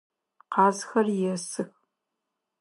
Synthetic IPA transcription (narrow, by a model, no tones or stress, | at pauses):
qɑːzxɐrjɛsɨx